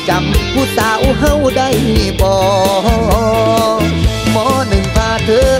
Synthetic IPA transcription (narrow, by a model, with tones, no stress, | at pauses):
t͡ɕa˨˧˦mkʰuː˧˩t̪aː˨˩ʔu˧˩ɦa˧˩˨wda˧˩˨jbɔː˨˩˧ | mɔː˧˥nɯ˨˩ŋpʰaː˧˩t̪ʰɤː˧˥